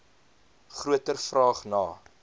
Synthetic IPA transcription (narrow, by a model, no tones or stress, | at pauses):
χruətərfrɑːχnɑː